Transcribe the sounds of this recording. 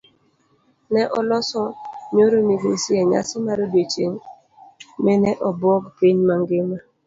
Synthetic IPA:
nɛʔɔlɔsɔɲoɾomiɡesiɛɲa̰sɔmaɾodet͡ʃeŋ | mɛnɛʔɔbɔɡpiɲmaŋɡɪma

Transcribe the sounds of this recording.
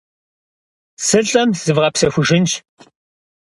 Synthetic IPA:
sɨɬʼɐmz̥ɨvʁɐpsɐxʷʊʒɪnt͡ʃ

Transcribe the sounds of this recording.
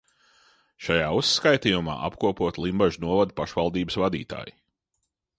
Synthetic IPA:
ʃajaːusːkajt̪iːjuma̰ːʔapkuɔpuɔt̪lˠimbaʒnuɔvad̪̚paʃvalˠd̪iːbəsvad̪ḭːt̪a̰ːji

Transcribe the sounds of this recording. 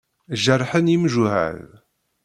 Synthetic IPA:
ʒərˤːħənimʒuhæ̰ð

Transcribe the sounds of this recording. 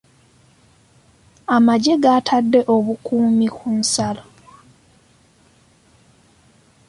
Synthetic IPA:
amaɟe̞ɡaːtʰadːe̞ʔo̞βukuːmikunsalo

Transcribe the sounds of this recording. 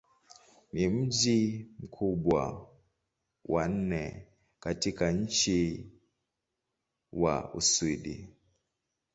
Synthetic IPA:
nim̩d͡ʒim̩kʰuɓwa̰ | wʔan̩nɛ̰ | katikaɲ̩t͡ʃi | wa̰ṵswiɗḭ

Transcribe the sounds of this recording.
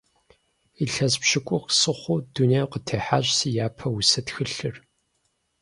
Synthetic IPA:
iɬɐzpɕɪkʷʼʊxsɨχʷʊduneːjqətʰeːħaːɕʼsijaːpʰɐwʊsɐtxɨɬɨr

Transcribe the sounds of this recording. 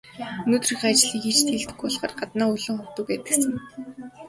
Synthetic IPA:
ɵnoːt̪rĭxat͡ɕɮiːkxit͡ɕʰt̪ʰeɮt̪ʰɵ̥kʊɮχə̰̆ːrɢat̪naːɵɮʊ̆ŋχʊt̪ŭːk̚pæːt̪ɘ̆ksɘ̆ŋ

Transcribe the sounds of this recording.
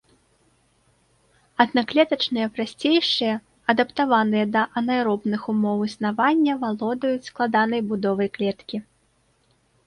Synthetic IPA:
ɐd̪naklʲɛt̪ɐt͡ʂnɨjɐpɾasʲt͡sʲejʂɨjɐ | ɐd̪ɐpt̪avanɨjɐd̪ɐʔɐnajɾɔbnɨxumɔwɨsnavanʲːɐvalˠɔd̪ɐjut͡sʲsklˠad̪anɐjbud̪ɔvɐjklʲɛt̪kʲi

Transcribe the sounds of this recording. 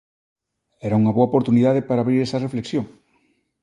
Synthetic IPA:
ɛɾauŋɐβoaopoɾt̪uniðaðepaɾaβɾiɾɛsɐrefleksjoŋ

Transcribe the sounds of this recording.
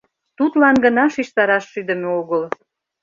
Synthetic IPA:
t̪ut̪lɑnɡə̆nɑʃiʃt̪ɑɾɑʃːyd̪əmeoɣəl

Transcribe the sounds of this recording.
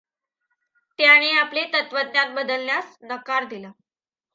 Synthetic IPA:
t̪jaɽ̃eaplet̪ət̪ʋəd̪njanbəd̪əlnjasnəkaɾd̪ila

